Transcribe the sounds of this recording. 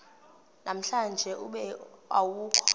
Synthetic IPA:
nam̩ɬand͡ʒʱɛʔuɓɛa̰wuːkʰɔ̥

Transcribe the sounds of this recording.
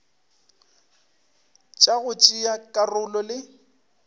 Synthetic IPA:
t͡ʃʼaɣʊt͡ʃʼiakʼarʊlɔlɪ

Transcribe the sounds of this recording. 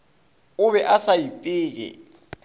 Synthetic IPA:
ʊβɛʔasaipʼɪːk̬ɛ̰

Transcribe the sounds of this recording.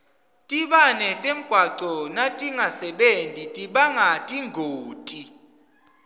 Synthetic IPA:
tʼiɓanɛtʼem̩ɡ̥ʱwaǀɔnatʼiŋʱasɛɓentʼitʼiɓaŋɡʱatʼiŋɡʱoːtʼi

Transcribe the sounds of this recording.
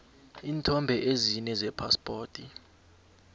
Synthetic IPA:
iːntʰɔmbʱɛʔezinɛzɛpʰaspʼoːtʰʼi

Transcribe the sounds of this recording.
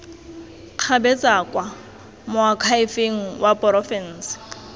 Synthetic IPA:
q͡χʰabɛt͡sʼakʼwa | mʊakʰaɪfeŋ̩wapʼɔrɔfɛn̩ːsɪ̥

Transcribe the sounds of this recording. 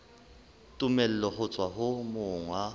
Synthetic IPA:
tʼʊmɛl̩lɔɦʊt͡sʼwaɦʊmʊːŋwa

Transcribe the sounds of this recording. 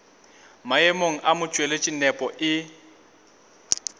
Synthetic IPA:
maɛmoŋ̩ʔamʊt͡ʃʼwelet͡ʃʼinɛpʼɔʔɪ

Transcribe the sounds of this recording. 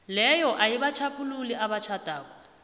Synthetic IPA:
lɛjɔʔaiβat͡ʃʰapʼululiaβat͡ʃʰatʼaːkɔ

